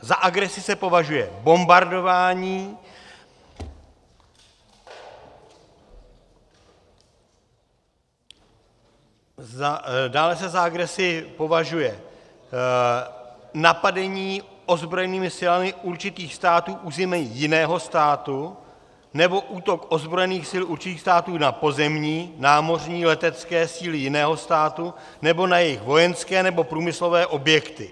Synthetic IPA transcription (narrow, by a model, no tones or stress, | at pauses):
zaʔaɡɾɛsɪsɛpo̞vaʒujɛbo̞mbaɾdo̞vaːɲiː | adaːlɛsɛzaaɡɾɛsɪpo̞vaʒujɛ | napadɛɲiːo̞zbɾo̞jɛniːmɪsɪlamɪʔuɾt͡ʃɪt̪iːxst̪aːt̪uːʔuːzɛmɛjɪnɛːɦo̞st̪aːt̪u | nɛbo̞ʔuːt̪o̞kʔo̞zbɾo̞jɛniːxsɪluɾt͡ʃɪt̪iːxst̪aːt̪uːnapo̞zɛmɲiːnaːmo̞r̝ɲiːlɛt̪ɛt͡skɛːsiːlɪjɪnɛːɦo̞st̪aːt̪u | nɛbo̞najɛjɪxvo̞jɛnskɛːnɛbo̞pɾuːmɪslo̞vɛːʔo̞bjɛkt̪ɪ